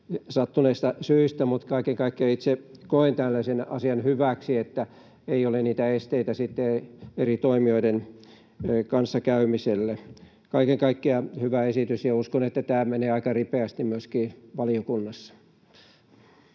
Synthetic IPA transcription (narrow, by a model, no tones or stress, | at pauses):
sɑt̪ːuneist̪ɑsyist̪æmut̪kɑikeŋkɑikːiɑit̪sekoent̪ælːæsenɑ̰siɑnhyʋæksiet̪ːæ | eioleniːt̪æest̪eit̪æsit̪ːeeerit̪oimioiden | kɑnsːɑkæymiselːe | kɑikeŋkɑikːiɑhyʋæesit̪ysjɑuskonet̪ːæt̪æːmeneːɑikɑripeæst̪immyøskiːʋɑliokunːɑsːɑ̥